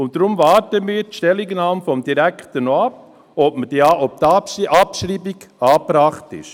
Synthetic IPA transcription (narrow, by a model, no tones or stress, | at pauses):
ʊnt̚dɾʊmvɑːɾtəmiːɾtʃtɛlɪɡnɑːmfɔmd̥̪iɾækχtənoɑp̚ | ɔpməd̥iːɑːʔɔp̚t̪ɑʔɑpʃɾiːbiɡɑːpɾɑːχtɪ̰ʃ